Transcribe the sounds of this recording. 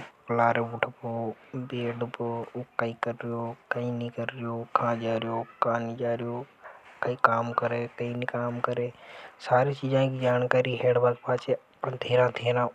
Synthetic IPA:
plaːɾeʊːʈʰəpoː | beːɖpːkəiːkəɾɪɾɪjoːkɐĩːnikəɾɾɪjoːkʰãːd͡ʒaːɾɪjoːkãːnid͡ʒaːɾɪjoːkɐĩːkaːmkəɾeːkɐĩːnikaːmkəɾeːsaːɾĩːt͡ʃiːd͡ʒãːkʰiːd͡ʒaːnkaːɾiːɦeːɽbakpaːt͡ʃeː | t̪ʰeːɾãːt̪ʰeːɾãː

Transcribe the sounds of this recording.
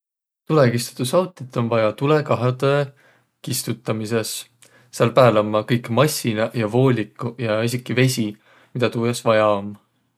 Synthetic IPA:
t̪ule̞kist̪u̥t̪ːusɑwt̪ːˑit̪ːˑo̞nvɑjɑt̪ule̞kɑɦed̪̥e | kist̪ut̪ːˑɑmise̞sː | eɑlpæːlɑmːɑkɤjkːmɑsʲːinɑjɑvo̞ːlʲikːˑujɑisikːˑive̞sʲi | mid̪ɑt̪uːjesvɑjɑom

